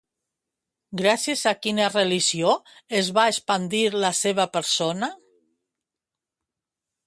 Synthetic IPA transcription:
ɡɾasjezakinareliʒioezβaespand̪iɾlaseβapəɾsona

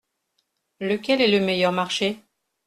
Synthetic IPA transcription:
ləkʲɛlɛləmejœʁmaʁʃe

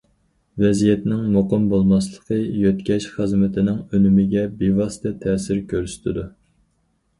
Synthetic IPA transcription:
vɛzijɛt̪nɪŋmoqəmbolˠmɑslˠə̥qʰəjøt̪kʲɛʃχəzmɪt̪ʰɪnɪŋønymɪɡʲɛbevɑsɨ̥t̪ʰɛt̪ʰɛːsɪɾkʲʰøɾst̪ʰɪd̪u

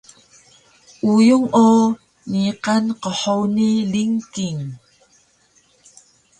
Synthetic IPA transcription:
ʔujuŋo | niqanqəħowniliŋkiŋ

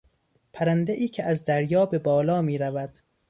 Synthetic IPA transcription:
pʰæɾænd̪eʔiːcʰeʔæzd̪æɾjɒːbe̞bɒːlɒːmiːɾævæd̪̥

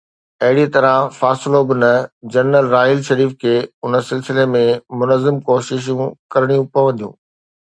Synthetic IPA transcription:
ɐɦɪɽit̪ɐɾãfaːsɪlobɪnɐd͡ʑɐnːəlɾaːɪlʃɐɾiːfkʰeːʊnə̆sɪlsɪlemẽmʊnəzɪmkoːʃɪʃ̬ũkɐɾɪɽ̃ijũpɐʋɐ̃nd̪ijṵ̃ː

